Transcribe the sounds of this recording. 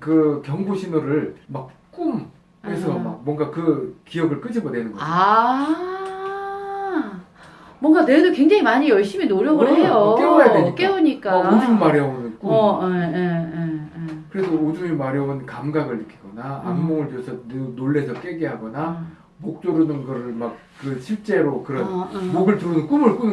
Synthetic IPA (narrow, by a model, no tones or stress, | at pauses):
kɯkjʌŋboɕʰinoɾɯɭmak̚k͈um | hesʰʌmak̚mwʌŋɡakɯkijʌɡɯɭk͈ɯd͡ʑʰimʌne̞nɯnɡʌa | mwʌŋɡane̞dokwe̞ŋd͡ʑaŋimaɲijʌɭɕ͈iminoɾjʌɡɯɭɭɦejok͈ewojadweɲik͈ewoɲik͈aaod͡ʑummaɾjʌonɯnk͈uʌeeeekɯɾe̞sʰʌod͡ʑumimaɾjʌonkamɡaɡɯɭːɯkʰiɡ̥ʌna̰ːmːoŋɯɭtesʰʌnenoɭːe̞sʰʌk͈e̞ɡeɦaɡʌna | mok̚t͡ɕ͈oɾunɯnɡʌɾɯɭmak̚ | kɯɕʰiɭt͡ɕ͈e̞ɾokɯɾʌnmoɡɯɭtɯɾɯnɯnk͈umɯɭk͈unɯ